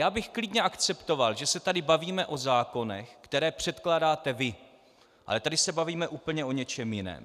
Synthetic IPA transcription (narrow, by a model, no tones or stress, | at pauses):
jaːbɪxklɪdɲɛʔakt͡sɛpt̪o̞valʒɛsɛt̪adɪbaviːmɛʔo̞zaːko̞nɛ̰xkt̪ɛɾɛːpr̝̥ɛt̪klaːdaːt̪ɛvɪ | ʔa̰lɛt̪adɪsɛbaviːmɛʔuːpl̩ɲɛʔo̞ɲɛt͡ʃɛmjɪnɛ̰ːm